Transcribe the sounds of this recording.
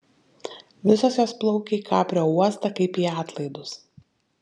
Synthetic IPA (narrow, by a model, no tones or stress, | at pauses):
ʋʲɪsoːsjoːsplˠɒʊkʲeikʰɑːpʲɾʲoːuɔst̪ɐkɐɪpiːɑːt̪lˠɐɪd̪ʊs